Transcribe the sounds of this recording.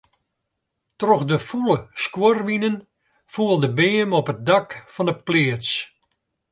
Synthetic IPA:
trɔxdəfuləskworʋinən | fuəlˠdəbeːmɔpət̚dakfɔnəplɪət͡s

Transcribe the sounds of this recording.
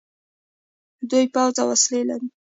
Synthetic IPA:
d̪ujpɑwzawaslela̰ɾi

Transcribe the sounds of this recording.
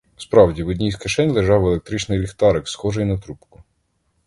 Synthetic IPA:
spɾɑwdʲiʋɔdʲnʲijskɐʃɛnʲlˠeʒɑwelˠek̚t̪ɾit͡ʃnɪjlʲixt̪ɑɾɪksxɔʒɪjnɐt̪ɾupkʊ

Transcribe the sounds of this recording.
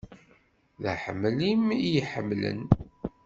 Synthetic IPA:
ðəħəmːlimijiħəmːlə̰n

